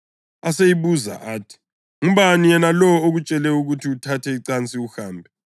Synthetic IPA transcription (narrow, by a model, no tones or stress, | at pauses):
asejiβuza̰ʔaːtʰi̥ | ŋuβanijɛnalɔoɣut͡ʃʼɛlɛuɣutʰiutʰatʰɛiǀant͡sʼiuxaːmbʱɛ